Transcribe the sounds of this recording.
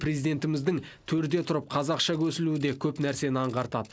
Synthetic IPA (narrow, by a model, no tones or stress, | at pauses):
pʰrezid̪e̞nt̪ɪmɪzd̪ɪŋt̪ʰɵɾd̪e̞t̪ʰʊɾəp̚qʰɑzɑqʃɑkʲʰɵsɪluɪd̪e̞kʲʰɵpnæɾse̞nəɑɴʁɑɾt̪ɑ̰d̪ə